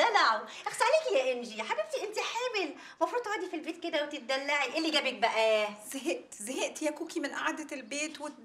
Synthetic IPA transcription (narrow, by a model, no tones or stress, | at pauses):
ælaʕwʔexsaʕliːkijæʔenʒiħabeb̚t̪iʔent̪iħeːwel | mɑfɾuːd̪haːd̪ifilbeːt̪̚ked̪æwet̪et̪̚d̪ælːaʕiʔelːiɡæbek̚bæʔæzæɦeʔt̪zæɦeʔt̪ijækuːkimenʔaʕd̪ælbeːt̪we